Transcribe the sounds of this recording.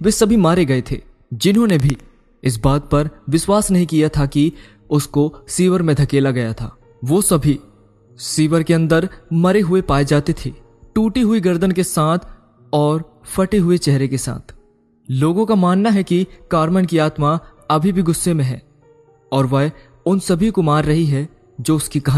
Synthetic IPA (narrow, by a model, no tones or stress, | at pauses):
ʋeːsɐbʱimaːɾeɡɐet̪ʰḛː | d͡ʒɪnɦõːnebʱi | ɪs̬baːt̪̚pɐɾʋɪswaːsnɐɦĩkijat̪ʰaki | ʊskosiːʋəɾmẽd̪ʱɐkeːlaɡɐjat̪ʰa̰ː | ʋoːsɐbʱi | siːʋəɾkeɐ̃nd̪əɾmɐɾeɦʊepaːed͡ʒaːt̪et̪ʰḛː | ʈuːʈiɦʊiɡɐɾd̪ənkesaːt̪ʰ | ɔːɾ | fɐʈeɦʊet͡ʃɛɦɾekesa̰ːt̪ʰ | loːɡõkamaːnːaɦɛkikaːɾmənkiaːt̪ma | ɐbʱibʱiɡʊsːemẽɦɛ̰̃ː | ɔːɾʋɐɦ | ʊnsɐbʱikomaːɾːɐɦiɦɛ | d͡ʒoːʊskikɐɦ